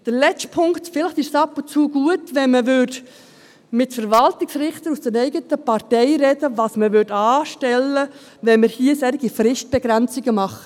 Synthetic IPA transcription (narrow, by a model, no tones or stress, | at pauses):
d̥əɾlɛt͡stpʰʊŋktfɪlɪχtɪʃsɑpʊnt͡suːɡ̥uətʋɛnməʋʏːd | mɪtfəɾvɑltɪksɾɪχt̪əɾusd̥ənɛɪɡətəpɑɾtɛɪɾɛd̥əʋɑːsməʋʏɾdɑːʃtɛlːə | ʋɛnməɾhiəsɛɾɪɡifɾɪʃt̚b̥ɛɡɾænt͡siɡəmɑχə